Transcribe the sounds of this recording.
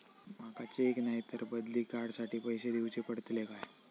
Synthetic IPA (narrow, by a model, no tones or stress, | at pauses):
makat͡ɕeknaɦit̪əɾbəd̪liːkaɾɽsaʈiːpəjsed̪iwt͡ɕepəɽət̪lekaj